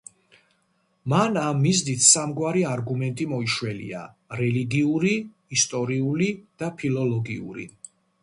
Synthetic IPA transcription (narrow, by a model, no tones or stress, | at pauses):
manamːizd̪it̪ʰsamɡwaɾiaɾɡumɛnt̪ʼimɔiʃwɛlḭa̰ | ɾɛliɡiuɾi | ist̪ʼɔɾiulid̪̥apʰilɔlɔɡiṵɾḭ